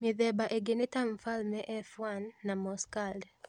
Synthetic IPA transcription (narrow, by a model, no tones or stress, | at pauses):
mɪðɛbaʔeɡɪnɪtamfalmɛʔɛfwanːamɔskald